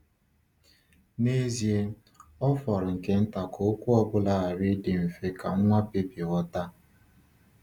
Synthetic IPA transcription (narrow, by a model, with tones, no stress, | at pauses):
ne˦zje˦ | ɔ˦fɔ˨ɾʊ˨ŋ̩˨ke˦n̩˦ta˨kʰo˨o˦kʷu˦ɔ˦bʊ˦la˦a˨ɾɪ˦dɪ˨m̩˨fe˦ka˨ŋ̩˦ŋʷa˦pe˦pi˨ɣɔ˦ta˦